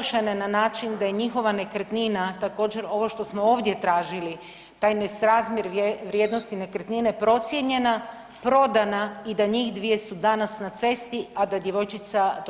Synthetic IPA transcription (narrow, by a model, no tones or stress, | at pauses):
ʃenenanaːt͡ʃind̪ajeɲixo̞ʋane̞kɾet̪ninat̪ako̞ːd͡ʑe̞ɾo̞ʋo̞ʃt̪o̞smoo̞ːʋd̪je̞t̪ɾaːʒili | t̪aːjnesɾaːzmjeɾʋɾjeːd̪no̞st̪ine̞kɾet̪ninepɾo̞t̪sʲjeɲe̞na | pɾo̞d̪anaid̪aɲiːxd̪ʋije̞sud̪anasnat̪se̞st̪iad̪ad̪je̞ʋo̞jt͡ʃit̪sa